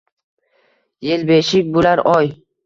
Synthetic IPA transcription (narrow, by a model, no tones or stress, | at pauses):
jelbeʃɪkʲbolaɾɒj